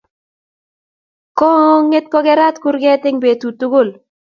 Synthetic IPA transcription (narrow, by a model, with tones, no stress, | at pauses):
kɔ˦ŋ˦ŋːe˦t̚kɔ˦ɡɛ˦ɾa˦tkʊ˦ɾɡɛ˦tɪ˦ŋbeː˨tu˨tu˦ɡʊ˦˨l